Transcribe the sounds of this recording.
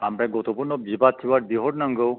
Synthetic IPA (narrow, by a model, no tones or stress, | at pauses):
amɾɛɡɔt̪ɔpuɾnɔbibat̪ʰːibaɾd̪iɦɔɽnaŋɡɔw